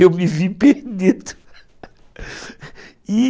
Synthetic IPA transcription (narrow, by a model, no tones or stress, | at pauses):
ewmivipeɾd̪id̪u | i